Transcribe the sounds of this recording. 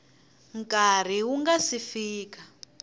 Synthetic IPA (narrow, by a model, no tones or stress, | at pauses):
ŋkar̤iwuŋɡasifiːka